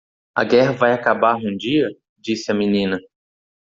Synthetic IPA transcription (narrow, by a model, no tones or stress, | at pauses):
ɐ̰ɡɛɦɐvajakabaɾũd͡ʒiɐ | d͡ʒisɪɐminĩnɐ